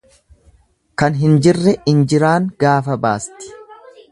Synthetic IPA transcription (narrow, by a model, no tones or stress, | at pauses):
kɐnɦɪnd͡ʒɪrːɛɪnd͡ʒɪɾaːŋɡ̥aːfɐbaːst̪ɪ̥